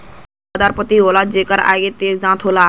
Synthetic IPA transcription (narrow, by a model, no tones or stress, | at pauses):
d̪aːɾpət̪iɦoːlad͡ʒeːkəɾa̰ːet̪eːsd̪ãːt̪ʰɦoːla